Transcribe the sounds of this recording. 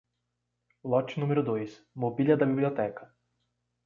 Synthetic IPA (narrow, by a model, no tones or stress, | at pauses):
lɔt͡ʃnũmeɾʊd̪ojs | mobilʲjɐd̪ɐbiblʲiot̪ɛkɐ